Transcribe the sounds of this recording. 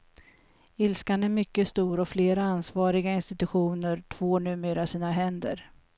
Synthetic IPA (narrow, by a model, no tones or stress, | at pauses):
ɪlskanæmʏkːəst̪uːɾɔfleːɾaansvɑːɾɪɡaɪnst̪ɪt̪ɵɧuːnəɾʈʰv̥oːnʉ̟ːmeːɾasiːnaɦɛnd̪ə̰ɾ